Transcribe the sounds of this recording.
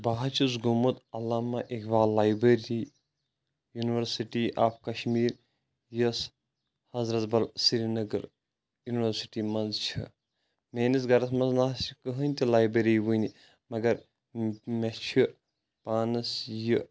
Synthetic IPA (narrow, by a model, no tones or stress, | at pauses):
baːɦɐt͡ʃʰusɡomut̪ɐlːaːmɐʔekʰʋaːlːaːjbɾeɾi | juniʋɐɾsiʈiʔaːpkɐʃmiːɾ | jɐs | hɐzɾɐt̪bɐlsiɾinɐɡɐɾ | juniʋɐɾsiʈimɐnzt͡ʃʰḭ | meːnis̬ɡɐɾɐsmɐnznaːsikəɦənʲt̪ilaːjbɐɾiːʋuni | mɐɡɐɾ | met͡ʃʰi | paːnɨsjɨ